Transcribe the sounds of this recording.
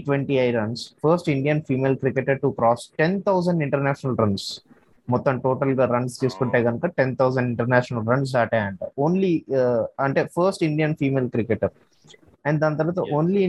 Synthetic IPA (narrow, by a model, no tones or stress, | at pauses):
ʈʋeɳʈiɐjɾɐnsfʰɐɾsʈiɳɖijɐnfiːmeːlkɾikeʈɐɾʈukɾɔːsʈent̪ʰɐws̬ɐ̃ɳɖĩɳʈɐɾnaːʃɐnɐlɾɐns | mɔt̪ːɐmʈoːʈɐlɡaːɾɐnst͡ʃeːsu̥kuɳʈeːɡɐnɐkɐʈent̪ʰɐwsɐ̃ɳɖɪɳʈɐɾnaːʃɐnɐlɾɐns̬aːʈaːɳɖoːnli | ɐɳʈefʰɐɾsʈiɳɖijɐnfiːmeːlkɾɪkeʈɐɾ | ɛ̃ɳɖd̪ɐnt̪̬ɐɾʋaːt̪ɐʔoːnli